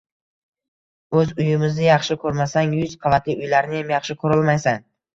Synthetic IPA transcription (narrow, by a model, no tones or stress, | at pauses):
ɵzʊjɪmɪznɪjɑχʃɪkʰɵɾmasaŋjʊzqʰɑvat̪ʰliʊjlaɾɪnɪjamjɑχʃɪkʰɵɾɪlˠmajsan